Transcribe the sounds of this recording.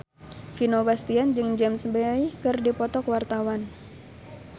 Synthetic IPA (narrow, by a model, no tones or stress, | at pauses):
finobast̪iand͡ʒɨŋd͡ʒamsbajkɨrdipɔt̪ɔkwart̪awan